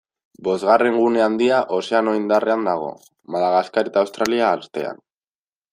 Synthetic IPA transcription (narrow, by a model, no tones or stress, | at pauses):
bo̞zɣare̞ŋɡune̞and̪iaʔo̞se̞ano̞ind̪are̞and̪aɣ̞o̞̰ | malaɣaskaɾet̪aːwst̪ɾaliaːɾt̪e̞̰a̰n